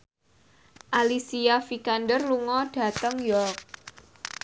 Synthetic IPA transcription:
ʔalisiafikandərluŋɔɖ̥ä̤t̪əŋjɔk̚

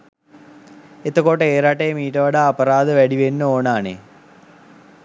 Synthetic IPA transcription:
et̪əkoʈəeːɾaʈejəmiːʈəʋaɖaːpəɾaːd̪əʋæɖiʋenːəoːnaːnḛ

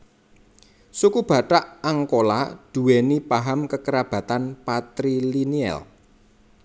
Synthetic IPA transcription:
sukub̥ä̤ʈaʔaŋkola̰d̪̥ṳwɛnipaɦamkəkəɾab̥ä̤t̪anpat̪ɾiliniɛ̰l

